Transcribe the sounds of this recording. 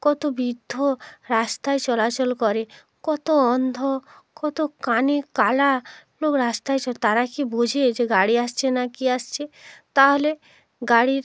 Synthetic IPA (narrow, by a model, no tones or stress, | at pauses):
kɔt̪obid̪ʱːoɾast̪aet͡ʃɔlat͡ʃɔlkɔɾe | kɔt̪oɔnd̪ʱo | kɔt̪okanikalalokɾast̪ajt͡ʃɔt̪aɾakibod͡ʑʱed͡ʑeɡaɽiast͡ʃʰenakiast͡ʃʰet̪aɦole | ɡaɽiɾ